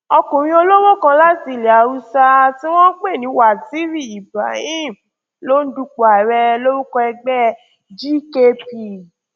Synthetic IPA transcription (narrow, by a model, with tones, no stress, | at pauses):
ɔ˧kũ˨ɾ̃ĩ˦o˧lo˦wo˦kã˧la˦ti˦˨le˨a˨u˧˦sa˧ti˦w̃ɔ̃˦k͡pe˦˨nĩ˨˦wa˨ti˨˦ɾi˦˨i˨ba̰˨jĩ˦ | lo˦n̩˦du˧k͡pu˨a˨ɾɛ˧lo˦ɾu˦kɔ˧ɛ˧ɡ͡bɛ˦ | d͡ʒi˦ke˧pi˨